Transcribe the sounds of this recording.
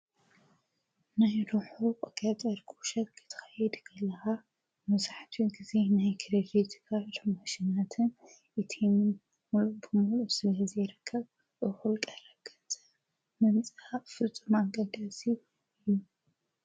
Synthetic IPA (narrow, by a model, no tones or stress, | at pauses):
najɾuħuqʼɐkʼat̪ʼɐɾkʼuʃɐt̪̚kʰɨt̪ʰɨ̥xɐjɛd̪kʰɐlɐxa | mɐzaħt̪ʰiɡize̞najkʰɾed̪it̪kʰat̪ɐmaʃinat̪ʰɨn | ʔɨt̪ʰenɨn | mulubɨmulusɨlɐzɐjɾɨkʰːɐβ | ʔɨxulkʼɐɾɐɡɐt͡sʼɐ | mɐnt͡sʼɨafɨt͡sʼumaŋɡʼɐd̪asi | ɨjːu